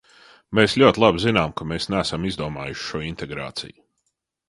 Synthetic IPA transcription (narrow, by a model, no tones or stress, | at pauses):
meːslʲuɔt̪ʲlˠabzinaːmkameːsnæːsamizd̪uɔma̰ːjʊʃʃuɔint̪ɛɡɾa̰ːt̪sḭj